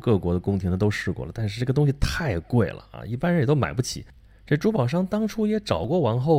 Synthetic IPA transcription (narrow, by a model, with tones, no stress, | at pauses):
kɤ˥˩kwɔ˧˥d̪ə˧kʊ˥ŋt̪ʰi˧˥nə˧t̪o˥ʊʂɻ̩˥˧kwɔ̰˥˩lə˩a˥˧nʂɻ̩˥˧ʈ͡ʂɤ˥˩ə˩t̪ʊ˥ŋɕ̬i˨˩t̪ʰa˥˩ɪkwe˥˩ɪlə̰˩a̰˧˩i˥˩pa˥nɻə˧jt̪o˥ʊma̰˨˩ɪpu˥˩t͡ɕʰḭ˨˩˦ | ʈ͡ʂɤ˥˩ʈ͡ʂu˥pɑ˨˩ʊʂ̬ɑ˥ŋt̪ɑ˥ŋʈ͡ʂʰu˥jɛ˧˥ʈ͡ʂɑ˨˩ʊkwɔ˥˩wɑ˧˥nxo˥˩ʊ